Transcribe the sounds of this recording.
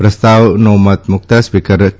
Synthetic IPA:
pɾəst̪awnomat̪̚muk̚t̪aspikəɾ

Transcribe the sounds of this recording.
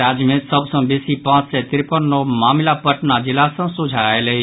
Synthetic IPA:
ɾad͡ʒmẽt̪səbsə̃besipãːt͡ʃset̪ɪɾpənːomaːmlapəʈnad͡ʒɪlasə̃sud͡ʒʱaeleɦi

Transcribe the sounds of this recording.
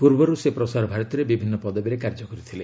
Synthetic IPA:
puɾbɔɾusepɾɔsaɾɔbʱaɾɔt̪iɾebibʱinːɔpɔd̪ɔbiɾekaɾd͡ʒɔkɔɾit̪ʰile

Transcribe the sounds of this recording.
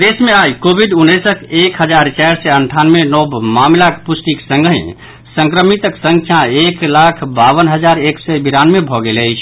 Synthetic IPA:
d̪esmeajkobʱiɖunːəsəkekɦəd͡ʒaɾt͡ʃajɾsɛəɳʈʰanmenɔbmamlakpusʈ̪iksə̃ŋɡḭ̃ | sə̃ŋkɾəmit̪əksə̃ŋkʰjãeklakʰbaβənɦəd͡ʒaɾeksɛbiɾanmebʱɔɡeləjt͡ʃʰ

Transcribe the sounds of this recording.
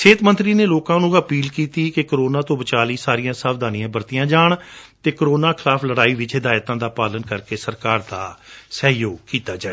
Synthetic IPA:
t͡ʃʰeːt̪mə̃nt̪ɾiːneːloːkãːnũːəpiːlkiːt̪iːkɪkəɾoːnãːt̪õːbət͡ʃaːliːsaːɾijãːsəʋd̪aːnɪjãːbəɾt̪ɪjãːd͡ʒaːɳt̪eːkəɾoːnaːkʰɪlaːpʰləɽaːiːʋɪt͡ʃɦɪd̪aːjt̪ãːd̪aːpaːlənkəɾkeːsəɾkaːɾt̪aːsəːɦjoːɡ̚kiːt̪aːd͡ʒaːeː

